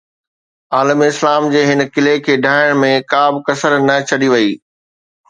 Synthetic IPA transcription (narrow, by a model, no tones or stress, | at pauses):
aːləmɪslaːmd͡ʑeːɦɪnkɪlekʰeːɖʱaːɪɽ̃mẽkaːbʱɪkɐsəɾnɐt͡ɕʰɐɗiʋɐiː